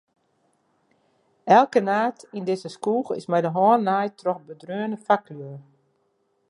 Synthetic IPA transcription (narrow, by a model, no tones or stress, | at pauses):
ɛlˠkənaːtindɪzəskuːxɪ̰smɛjdəɦɔːnːajtrɔxbədrøːənəfakʰlyə